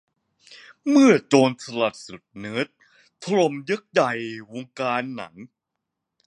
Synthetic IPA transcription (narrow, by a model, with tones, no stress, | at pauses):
mɯ˥˩ɐt͡ɕoː˧nt̪ʰa˧la˨˩t̪̚su˨˩t̪̚nɯː˦˥t̪̚ʰː | ɾo˧mjɤ˦˥k̚ja˨˩jwoː˧ŋkaː˧nːa̰˩˦ŋ